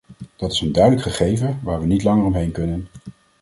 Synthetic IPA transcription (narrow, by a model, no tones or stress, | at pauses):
d̥ɑtɪ̥səndœɥdələkχəχejvəʋaːɹʋənitlɑŋəɹɔmɦejnkɵnən